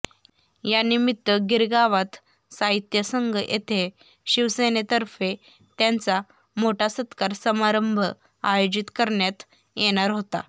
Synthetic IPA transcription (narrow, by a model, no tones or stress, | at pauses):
janimit̪ːʋəɡiɾɡaʋat̪ | saɦit̪jəsəŋɡʱəʔet̪ʰe | ɕiʋsenet̪əɾfe | t̪jãnt͡sa | moʈʰasət̪kaɾsəmaɾəmbʱə | a̰jod͡ʑit̪kəɾɳjat̪ | jeɽ̃aɾɦot̪a̰